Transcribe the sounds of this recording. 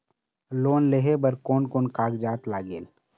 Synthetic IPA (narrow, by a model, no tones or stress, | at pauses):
loːnleɦebəɾkoːnkoːnkaːɡd͡ʒaːt̪laːɡḛːl